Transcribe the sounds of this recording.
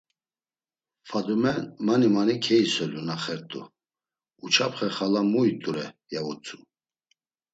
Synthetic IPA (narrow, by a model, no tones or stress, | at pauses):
fad̪umɛnmanimanikʰɛisɔlunaχɛɾt̪ʼṵ | ut͡ʃʰapχɛχalamujt̪ʼuɾɛjaut͡sʼu